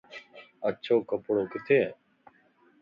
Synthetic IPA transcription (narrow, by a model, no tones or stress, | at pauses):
ətːʃʰoːkəpɽoːkɪt̪ʰeː